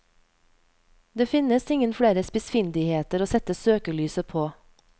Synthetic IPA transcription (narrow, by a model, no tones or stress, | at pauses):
d̪eːfɪnəsɪŋənfɽeːɾəspɪsfɪnd̪ɪheːt̪əɾoːsɛt̪əsøːkəlyːsəpʰoː